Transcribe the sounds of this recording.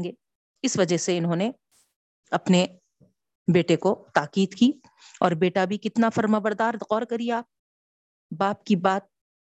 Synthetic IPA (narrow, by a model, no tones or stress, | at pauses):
ɡeː | ɪsʋɐd͡ʒəɦseɪnɦõːne | ɐpne | beːʈekot̪aːqiːd̪kiː | ɔːɾbeːʈabʱikɪt̪nafɐɾmabɐɾd̪aːɾqɔːɾkɐɾija | baːp̚kibaːt̪̚